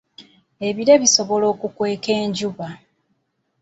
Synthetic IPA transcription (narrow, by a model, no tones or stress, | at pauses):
e̞βiɾeβiso̞βo̞lo̞ːkukwe̞ːke̞ːɲɟuβa